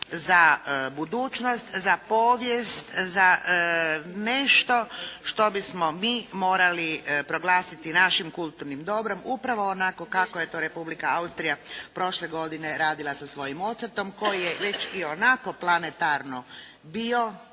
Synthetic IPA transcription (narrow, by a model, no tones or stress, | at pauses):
zabud̪uːt͡ʃnost̪zapo̞ːʋjest̪za | ne̞ʃt̪o̞ʃt̪o̞bismo̞miːmo̞ːɾalipɾo̞ɡlˠaːsit̪inaʃimkulˠt̪uɾnimd̪o̞bɾo̞mupɾaʋo̞ːnako̞kakoje̞t̪oːɾe̞publikaaust̪ɾijapɾo̞ʃle̞ɡo̞d̪ine̞ɾaːd̪ilˠasasʋo̞jimo̞t̪səɾt̪o̞mko̞jijeʋe̞t͡ɕio̞nako̞plˠanet̪aɾno | bio̞